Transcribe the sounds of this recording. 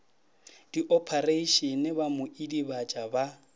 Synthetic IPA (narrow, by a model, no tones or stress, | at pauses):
d̥iʔɔpʰareʃɔnɪbamʊʔidibat͡ʃʼaba